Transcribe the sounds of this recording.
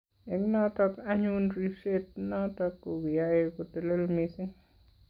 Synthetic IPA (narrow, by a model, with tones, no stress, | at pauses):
e˨ŋnɔ˦tɔ˦ka˦ɲu˦nɾi˦ʃe˦t̚nɔ˦tɔ˧kːo˨wi˨ja˦je˦ko˨te˨le˦lmi˧sɪ˦